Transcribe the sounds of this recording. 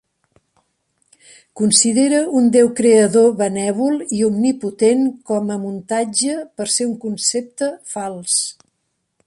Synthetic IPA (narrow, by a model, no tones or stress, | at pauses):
kunsiðeɾəund̪ewkɾeəðoβənɛβ̞ulˠiumniput̪enkɔməmunt̪ad͡ʒəpəɾseuŋkunsep̚t̪əfalˠs